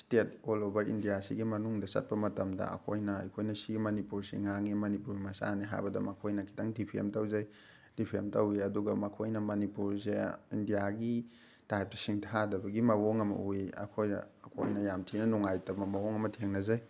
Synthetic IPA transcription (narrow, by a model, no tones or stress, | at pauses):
stet̚olobɐɾḭndijasḭɡimɐnuŋdɐsɐ̰t̚pɐmɐtɐmdɐ̰ɐ̰kʰojnɐɐ̰jkʰojnɐsiɡimɐnipuɾsḭŋaŋimɐnipuɾimɐsa̰niɦa̰jbɐdɐ̰mɐkʰojnɐkʰi̥tʰɐŋdipʰiḛmtɐwzaj | d̥ipʰemtɐwiɐduɡɐmɐkʰojnɐmɐnipuɾzeindijaɡi | tajp̚tɐsiŋtʰadɐbɐɡimɐwoŋɐmɐ̰uiɐ̰kʰojnɐ̰ːkʰo̰jnɐjamtʰinɐnuŋajtɐmɐmɐwoŋɐmɐtʰeŋnɐzaj